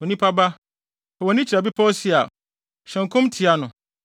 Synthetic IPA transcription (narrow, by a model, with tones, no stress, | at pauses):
wɔ˨nĩ˦pʰa˦ba˦ | ɔ˨ɔ˨nɪ̃˦t͡ɕʰiɾa˨bi˦pʰɔ˦si˦a˨ | ɕɛ̃˨ŋ̩˨kʰʊ̃˦mtʰi˨a˦nʊ̃˨